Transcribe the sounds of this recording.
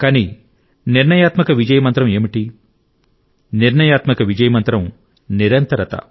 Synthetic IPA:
kɐni | niɾɳɐjaːt̪mɐkɐʋid͡ʒɐjɐmɐnt̪ɾɐmeːmiʈi | niɾɳɐjaːt̪mɐkɐʋid͡ʒɐjɐmɐnt̪ɾɐm | niɾɐnt̪ɐɾɐt̪ɐ̰

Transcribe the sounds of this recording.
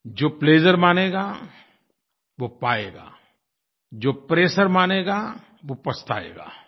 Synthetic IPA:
d͡ʒoːpleːd͡ʒəɾmaːneːɡaː | ʋoːpaːḛːɡa̰ː | d͡ʒoːpɾeːʃəɾmaːneːɡa | ʋopɐst̪a̰ːḛːɡa̰ː

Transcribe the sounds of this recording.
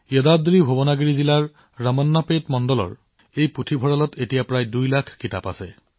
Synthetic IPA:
jɔdadɹibʱobɔnaɡɹizilaɹː | amɔnːapetmɔndɔlɔ̰ɹ | ejputʰibʱɔɹalɔtetijapɹajdujlakʰkitapa̰sɛ

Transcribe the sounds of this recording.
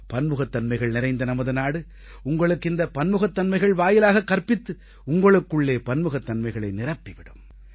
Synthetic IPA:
pɐnmɯɣɐt̪ːɐnmɐɪɣɐɭnɪɾɐɪnd̪ɐnɐmɐðɯnaːɽɯ | ʊŋɡɐɭɯkːɪnd̪ɐpɐnmɯɣɐt̪ːɐnmɐɪɣɐɭʋaːjɪlaːɣɐkːɐrpɪt̪ːɯ | ʊŋɡɐɭɯkːɯɭːeːpɐnmɯɣɐt̪ːɐnmɐɪɣɐɭɐɪnɪrɐpːiʋɪɽɯ̰m

